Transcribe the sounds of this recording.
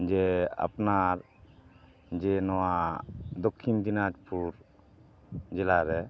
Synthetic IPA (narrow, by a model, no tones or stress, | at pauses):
d͡ʒɛa̰pnaɾ | d͡ʒɛnɔwad̪ɔkʰːind̪inad͡ʒpuɾ | d͡ʒɛlaɾɛ